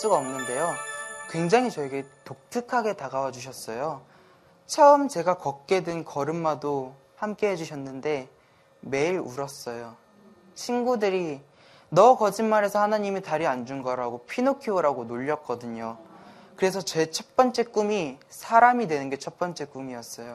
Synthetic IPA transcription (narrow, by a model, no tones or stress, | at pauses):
s͈uɡaʌmnɯnde̞jokwe̞ŋd͡ʑaŋɦit͡ɕʌeɡe̞tok̚tʰɯkʰaɡe̞taɡawad͡ʑuɕ̬ʰʌs͈ʌjo | t͡ɕʰʌmt͡ɕe̞ɡakʌk̚k͈e̞dɯnkʌɾɯmːado | hamk͈e̞ɦe̞d͡ʑuɕʰʌnːɯnde̞ | me̞iɾuɾʌs͈ʌjo | t͡ɕʰinɡudɯɾi | nʌkʌd͡ʑinmaɾe̞sʰʌhanaɲimitaɾiand͡ʑunɡʌɾaɡopʰinokʰioɾaɡonoʎːʌk̚k͈ʌdɯɲo | kɯɾe̞sʰʌt͡ɕe̞t͡ɕʰʌt̚p͈ʌnt͡ɕ͈e̞k͈umisʰaɾamidwe̞nɯnɡe̞t͡ɕʰʌt̚p͈ʌnt͡ɕ͈e̞k͈umiʌs͈ʌjo